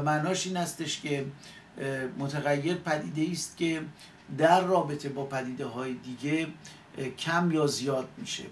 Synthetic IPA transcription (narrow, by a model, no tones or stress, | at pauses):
mænɒːʃiːnhæst̪e̞ʃcʰe̞ | mot̪ʰæɣæjːe̞ɾpʰæd̪iːd̪eiːst̪̚cʲʰe̞ | d̪æɾːɒːbe̞t̪ʰe̞bɒːpʰæd̪iːd̪eɦɒːjed̪iːɟe̞ | cʰæmjɒːzijɒːd̪̚miʃe̞̰